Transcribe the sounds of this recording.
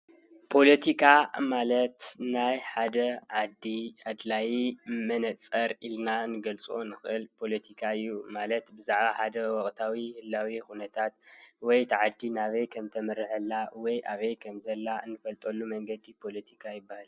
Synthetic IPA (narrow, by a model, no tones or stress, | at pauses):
pʰo̞lɐt̪ʰikʰamalɐt̪najħad̪ɐʕad̪ːiad̪lajimɐnɐt͡sʼɐɾilnanɨɡɐlt͡sʼʔonɨxʔɨlpʰo̞lɐt̪ʰikʰaɨjːumalɐt̪bɨzaʕβaħad̪ɐwɔχʼt̪ʰawihɨlːawixunɐt̪ʰat̪wɔjt̪ʰɨʕad̪ːinaβejkʰɐmt̪ʰɐmɨɾɨħɐlːawɔjʔaβejkʰɐmzɐlːaɨnːɨfɐlt̪ʼolːumɐŋɡɐd̪ipʰo̞lɐt̪ʰikʰajɪbːahal